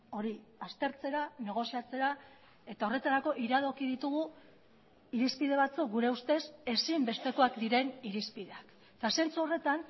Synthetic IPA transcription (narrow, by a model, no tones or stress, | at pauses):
o̞ɾiast̪e̞ɾt͡se̞ɾane̞ɣ̞o̞siat͡se̞ɾa | e̞t̪ao̞re̞t̪aɾako̞ʔiɾað̞o̞kiðit̪uɣu | iɾispið̞e̞βat͡suk̚ɡuɾeust̪e̞se̞simbe̞st̪e̞ko̞akd̪iɾe̞niɾispiðe̞ak | t̪ase̞nt͡suo̞re̞t̪an